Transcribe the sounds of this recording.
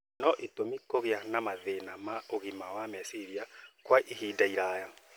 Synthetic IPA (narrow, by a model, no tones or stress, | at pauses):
nɔʔetomikoɣeanamaðenamaoɣimawamɛsiɾiakwaʔiɦidaiɾaja